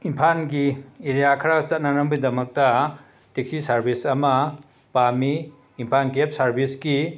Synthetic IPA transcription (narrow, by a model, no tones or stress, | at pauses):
impʰanɡieɾijakʰaɾaɡɐt͡ʃat̚nanɐmbɯjdɐmɐk̚tɐ | tek̚sisaɾbʱisɐmɐ | pamiː | mpʰankep̚saɾbʱisɡi